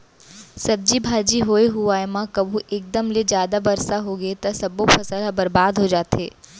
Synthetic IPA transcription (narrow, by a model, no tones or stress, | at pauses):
sɐb̚d͡ʒibʱaːd͡ʒiɦoːeɦʊaːemãkɐbʱũʔeːk̚d̪əmled͡ʒjaːd̪abɐɾsaɦoːɡɐet̪ɐsɐbopʰɐsəlɦɐbɐɾbaːd̪ɦod͡ʒaːt̪eː